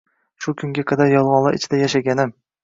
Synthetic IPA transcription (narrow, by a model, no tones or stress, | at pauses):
ʃʊkʲʰʊŋɡʲaqʰad̪aɾjɒlˠʁɒnlˠa̰ʔɪ̰t͡ʃʰɪd̪ajaʃaɡʲanɪm